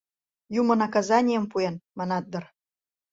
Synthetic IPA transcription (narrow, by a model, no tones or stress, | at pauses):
jumə̆nɑkɑzɑnʲijə̆mpuenmɑnɑt̪̚d̪ɤ̆r